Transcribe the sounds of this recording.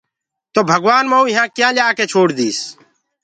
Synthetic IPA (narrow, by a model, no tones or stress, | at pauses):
t̪oːbʱəɡʋaːnməũːɪɦãːkjãːlaːkeːt͡ʃʰoːɽd̪iːs